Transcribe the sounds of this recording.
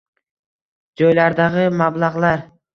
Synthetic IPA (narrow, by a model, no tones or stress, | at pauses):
d͡ʒojlaɾd̪ɑʁɨmablˠɑʁlˠɑɾ